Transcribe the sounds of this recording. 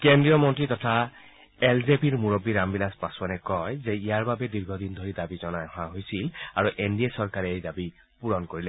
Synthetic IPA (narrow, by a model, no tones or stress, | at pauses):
kendɹijɔmɔntɹitɔtʰa | elzepiɹmuɹobːiɹambilaspasmanɛkɔjzɛijaɹbabɛdiɹɡʱɔdindʱoɹidabizɔnajɦɔaɦojsilaɹuʔendiesɔɹkaɹɛejdabi | puɹɔnkoɹilɛ